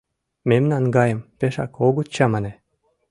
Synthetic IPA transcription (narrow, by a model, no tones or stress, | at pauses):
memnɑnɡɑjə̆mpeʃɑ̰koɡut̪t͡ɕɑmɑne